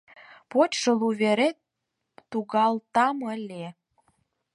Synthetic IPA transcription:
potʲʃɤluβeɾet̪ː | uɣɑlt̪ɑməlʲe

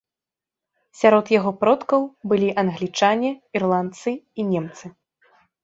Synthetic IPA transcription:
sʲaɾɔt̪jaɣɔpɾɔt̪kɐwbɨlʲiʔɐnɣlʲit͡ʂanʲɛirlˠant̪sɨinʲɛmt̪sɨ

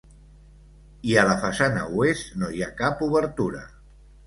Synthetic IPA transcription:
iələfasanə̰west̪nojakapuβəɾt̪uɾə

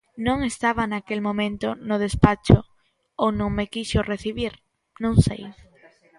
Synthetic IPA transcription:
nõŋest̪aβanakelmõmẽnt̪onʊð̞espat͡ʃo | ownõŋmekiʃʊreθiβiɾ | nõŋsḛj

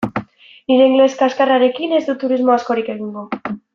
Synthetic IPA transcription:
niɾe̞iŋɡle̞skaskaraɾe̞kine̞zd̪ut̪uɾizmo̞asko̞ɾike̞ɣ̞iŋɡo

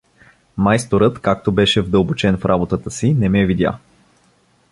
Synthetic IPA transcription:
majst̪oɾɤt̪kak̚t̪obɛʃɛvd̪ɤlˠbot͡ʃɛnfɾʔabot̪ət̪əsinɛmɛvid̪ʲja̰

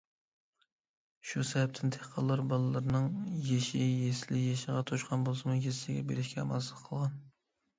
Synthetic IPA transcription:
ʃusɛvɛp̚t̪ʰɪnt̪ʰeqʰɑlˠːɑɾbɑlˠɨlˠɨɾnɨŋjeʃɪjeslɪjeʃəʁɑt̪ʰoʃqʰɑnbolˠsɨmujezsɪɡʲɛbeɾɪʃkʲɛmɑslˠəqʰːəlˠʁɑn

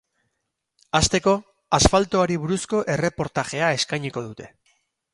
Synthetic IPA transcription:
ast̪e̞ko̞ | asfalt̪oaɾiβ̞uɾusko̞ʔe̞re̞po̞ɾt̪axe̞ae̞skajɲiko̞ðut̪e̞

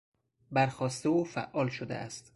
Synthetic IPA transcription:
bæɾxɒːst̪euːfæ̰ʔʔɒːlʃod̪ḛʔæ̰st̪

